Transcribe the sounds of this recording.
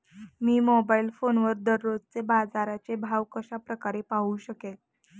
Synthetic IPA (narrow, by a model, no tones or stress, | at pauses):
miːmobailfonʋəɾd̪əɾːod͡zt͡sebad͡zaɾat͡sebʱaʋkəɕapɾəkaɾepaɦuɕəkel